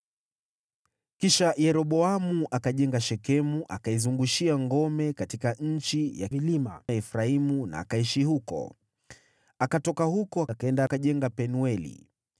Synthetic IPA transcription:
kiʃajɛɾɔɓɔamuʔakaʄɛŋɡaʃɛkɛmuʔakaizuŋɡuʃiaŋɡɔmɛkatikaɲ̩t͡ʃija̰liɛfɾaimuna̰ːkaiʃihukɔ̰ | akatɔkahukɔakaɛndakaʄɛŋɡapɛnuɛlḭ

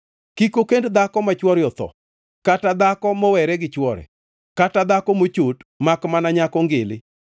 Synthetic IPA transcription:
kikokendd̪akɔmat͡ʃwɔɾjɔt̪ɔ̰ | katad̪akɔmɔwɛɾɛɡɪt͡ʃwɔɾɛ̰ | katad̪akɔmot͡ʃotmakmanaɲakɔŋɡɪlɪ

